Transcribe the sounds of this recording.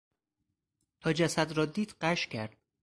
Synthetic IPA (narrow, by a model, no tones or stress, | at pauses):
t̪ʰɒːd͡ʒæsæd̪ɾɒːd̪iːd̪̥ɢæʃcʲʰæɾd̪̥̚